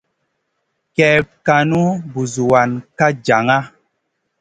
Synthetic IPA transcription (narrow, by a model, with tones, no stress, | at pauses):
kɛ˨p̚ka˨nu˦bu˨zu˨wa˨nka˦d͡ʒa˨ŋa˦